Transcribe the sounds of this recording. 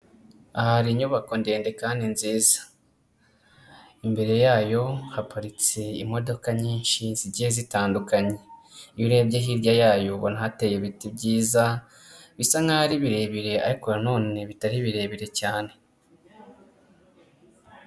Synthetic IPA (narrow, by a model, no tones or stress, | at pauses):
ahaɾiɲuβako̞ndeːnde̞kaːndinziːzḁ | imbe̞ɾe̞jaːjo̞hapaɾit͡se̞ḭmo̞do̞kaɲiːɲʃiziɟiezitaːndukaɲe̞iɾebɟeɦiɾjajaːjo̞βonaɦate̞jeβitibɟiːza | βisaŋɡaɾiβiɾe̞βiɾe̞a̰ɾikoɾano̞ːne̞βitaɾiβiɾe̞βiɾe̞caːne̞